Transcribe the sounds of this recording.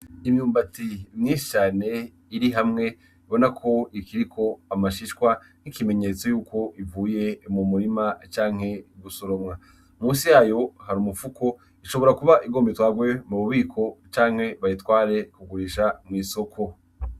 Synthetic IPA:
imɲuːmbatimɲiːnʃi̥t͡ʃaːne̞ | iɾiɦamŋe̞ | βo̞nakʰo̞ikiɾikʰo̞amaʃiʃkwa | n̥ikime̞ɲe̞t͡so̞juːkʰo̞ʔivuːje̞mumuɾimat͡ʃaːŋhe̞ɡusoɾo̞mŋa | muːsijaːjo̞haɾumufukʰo̞ | iʃo̞βo̞ɾakuβaʔiɡo̞ːmbetwaːɡwe̞muβuβiːkʰo̞t͡ʃaːŋ̥he̞βaitwaːɾe̞kuɡuɾiʃamŋiːso̞kʰo̞

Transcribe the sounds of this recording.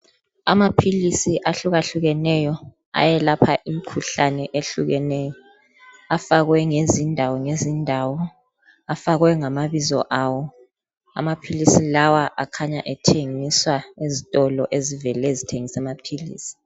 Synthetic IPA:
a̰mapʰilisiʔaɬuɣaɬuɣɛnɛjɔ | a̰jɛlapʰaʔim̩kʰuɬanɛʔeɬuɣɛnɛjɔ | afaɣwɛŋezindʱawɔŋezindʱawɔ | afaɣwɛŋamaβizɔ̰ʔawɔ | a̰mapʰilisilawaʔakʰaɲaʔɛtʰeŋiswaezitʼɔlɔʔezivɛlɛzitʰeŋisɛmapʰilḭːsi̥

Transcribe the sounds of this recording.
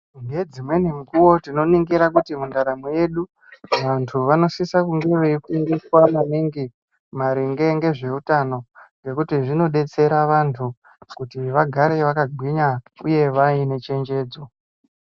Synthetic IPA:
ŋɡe̞d͡zimwe̞nimukuwo̞tino̞niŋɡiɾakutimundaɾamuje̞ɗu | ʋantʰuʋano̞sisakuŋɡeʋekuendeswamaniŋɡi | maɾiŋɡe̞ŋɡe̞ʐe̞utano̞ŋɡe̞kutiʐino̞ɗe̞t͡se̞ɾaʋantʰu | kutiʋaɡʱaɾe̞ʋakaɡʱwiɲaṵje̞ʋaine̞t͡ʃe̞ɲd͡ʒe̞ːd͡zo

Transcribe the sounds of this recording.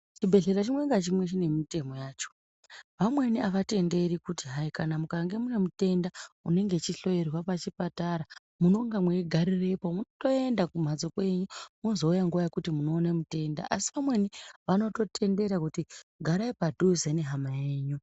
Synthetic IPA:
t͡ʃibʱe̞ɮe̞ɾat͡ʃimweŋɡat͡ʃimwe̞t͡ʃine̞mite̞mojaːt͡ʃo̥ | ʋamwe̞niaʋate̞nde̞ɾikutiɦaikanamukaŋɡe̞mune̞mute̞ndaune̞ŋɡe̞t͡ʃiɬo̞je̞rwapat͡ʃipataɾa | muno̞ŋɡamweɡʱaɾire̞po̞munoto̞e̞ndakum̤ad͡zokwe̞ɲumuozo̞ujaŋɡuʋajekutimuno̞ːnemute̞nda̰ʔasiʋamwe̞niʋano̞to̞tʰe̞nde̞ɾakutiɡʱaɾaipadʱuzene̞ɦamaeːɲu

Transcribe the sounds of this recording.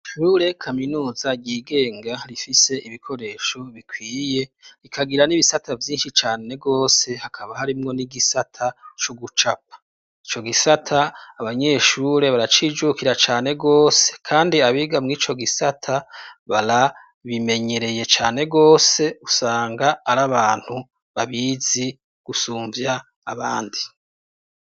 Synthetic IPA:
ʃuːɾe̞kʰaminuːzaɟiːɡe̞ːŋɡaɾifise̞ʔiβikʰo̞ɾe̞ːʃo̞βikʰwiːje̞ɾikʰaɡiɾaniβisatʰavjiːnʃit͡ʃaːne̞ɡo̞ːse̞hakʰaβahaɾimŋo̞niɡisatʰat͡ʃuɡut͡ʃap̚ḁ | it͡ʃo̞ɡisatʰaːβaɲe̞ːʃuːɾe̞βaɾat͡ʃiːd͡ʒukiɾat͡ʃaːne̞ɡo̞ːse̞̥kʰaːndiaβiːɡamŋiːt͡ʃo̞ɡisatʰaβaɾa | βime̞ɲe̞ɾe̞je̞t͡ʃaːne̞ɡo̞ːse̞usaːŋɡaːɾaβaːn̥hu | βaβiːz̥i | ɡ̥usuːɱvjaː | βaːndi

